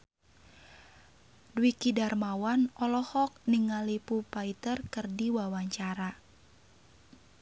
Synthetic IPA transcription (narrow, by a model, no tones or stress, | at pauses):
dwikidarmawanɔlɔhɔk̚niŋalipupait̪ərkərdiwawaɲt͡ʃaɾa